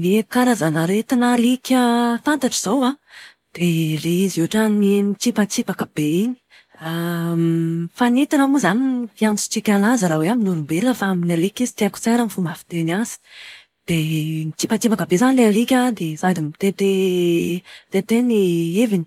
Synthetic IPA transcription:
leekaɾazanaɾet̪anaɾikʲəfant̪aʈ͡ʂiz̥owa | d̪̥ereiziuaʈ͡ʂaninit͡sipat͡sipakəb̥eiɲi̥ | a | fanet̪anamuzanifiant͡su̥t͡ʃikʲalazəɾaweaminuɾumbeləfaaminaɾikizi̥t̪eaku̥t͡seɾənifumafi̥t̪enaz̥i̥ | d̪̥enit͡ʃipat͡sipakəbezanileɾikʲad̪ezad̪imit̪et̪e | t̪et̪enievini̥

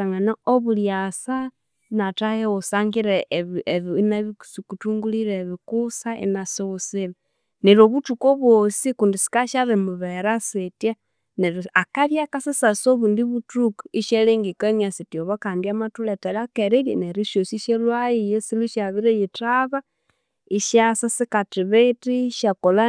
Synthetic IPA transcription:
aŋanaoβuljasa | natajeusaːŋɡiɾeβeβinaβisikutuːŋɡuliɾeβikusaʔḭnasoβusila | neɾoβutukoβwosikundisi̥kaʃaɾimuβeɾasetja | neɾakaβjakasisasoβundiβutukiʃeleŋɡikeniasitjoβakaːndiamatuletalakeɾiljeneɾiʃosiʃelwajijesiluʃaβiɾejitaβa | iʃasasikatiβetiʃakola

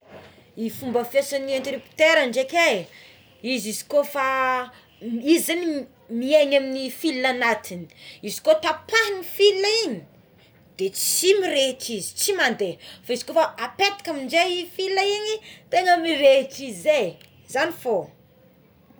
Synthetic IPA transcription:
ifumbəfjesaniant̪ɾipi̥t̪eɾaɳɖ͡ʐekʲe | izizi̥kofa | izani | mieɲaminifilnanat̪ʰini̥izi̥kot̪apanifilaiɲi | d̪̥et͡simiɾeʈ͡ʂizi̥t͡simand̪efaizi̥kofaapet̪ḁkamiɳd͡ʒeifilaiɲit̪eŋəmiɾeʈ͡ʂizize | zanifo

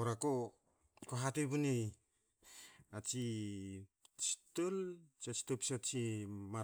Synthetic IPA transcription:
oɾako | koɦatebunej | at͡ʃi | t͡ʃi̥tolt͡ʃat͡ʃi̥topsat͡ʃima

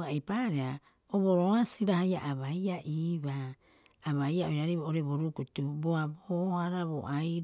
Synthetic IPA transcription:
ajpaɾea | oβoɾoasiɾahajaʔaβajaʔiβaː | βajaojɾaɾiβaoɾeβoɾukutuboabohaɾaβo̰ʔaj

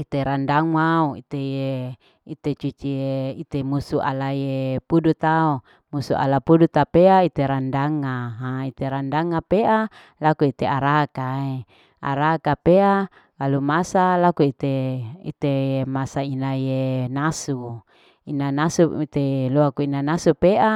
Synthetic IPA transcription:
it̪eɾandaŋwauḭt̪eje | it̪et͡ʃut͡ʃieit̪emusuʔa̰lajepudut̪ao | musuʔa̰lapudut̪apeait̪eɾandaŋaɦait̪eɾandaŋapeʔa | lakuit̪eaɾakae | a̰ɾakapea | kalumasalakuit̪eḭt̪emasainajenasu | inanasuit̪eloakuinanasupeʔa

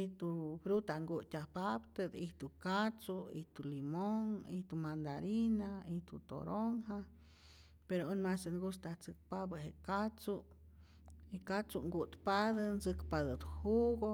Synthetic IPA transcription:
it̪ufɾut̪aŋɡut̪ʲapapt̪ed̪iht̪ukat͡suḭht̪ulimoŋiht̪umand̪aɾinaiht̪ut̪o̰ɾoŋha | peɾounmasenɡust̪at͡sɨk̚pabəɦeʔkat͡su | ikat͡suŋɡut̪pad̪ənt͡sɨkpad̪ɨt̪huɡo

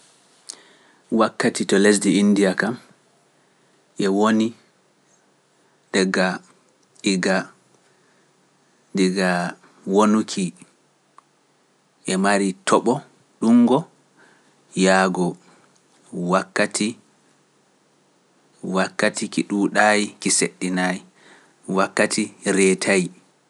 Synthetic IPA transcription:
wakːatitɔles̬diːndijakam | ʔɛwoni | dɛɡa | iɡa | dɛɡa | wonukʰi | ʔɛmaɾitʰɔɓɔ | ɗuŋɡɔ | jaːɡɔ | wakːatʰi | wakːatikiɗuɗajikiseɗːinaji | wakːatʰiɾɛtʰaji

